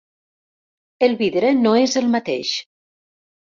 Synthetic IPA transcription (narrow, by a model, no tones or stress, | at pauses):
əlˠβiðɾənoezəlˠmat̪ḛʃ